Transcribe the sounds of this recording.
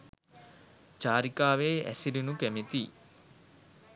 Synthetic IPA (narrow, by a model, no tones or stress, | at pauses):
d͡ʒaːɾikaːʋeːæ̰siɾinukæmet̪i